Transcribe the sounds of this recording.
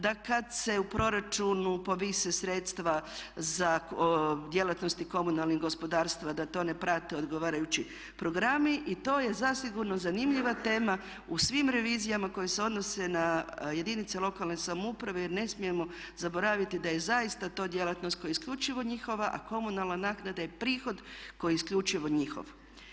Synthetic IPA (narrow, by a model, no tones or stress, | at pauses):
d̪akad̪se̞upɾo̞ɾat͡ʃunupo̞ʋisesɾe̞t̪st̪ʋaza | d̪je̞lat̪no̞st̪iko̞munalˠniɡo̞spo̞d̪aːɾst̪ʋad̪at̪o̞ne̞pɾat̪eo̞d̪ɡo̞ʋaːɾajut͡ɕi | pɾo̞ɡɾamiʔit̪o̞ːje̞zasiɡuɾno̞zanimʎiʋat̪e̞ːma | usʋimɾe̞ʋiːzijamako̞jese̞o̞d̪no̞se̞naje̞d̪init̪selˠo̞kalˠne̞samupɾaʋejiɾne̞smije̞mo̞zabo̞ɾaʋit̪id̪aje̞zaist̪at̪o̞ːd̪je̞lat̪no̞st̪ko̞jaiskʎut͡ʃiʋo̞ɲixo̞ʋaʔa̰ko̞munalˠnanaːknad̪ajepɾiːxo̞d̪ko̞jiiskʎut͡ʃiʋo̞ɲixo̰ʋ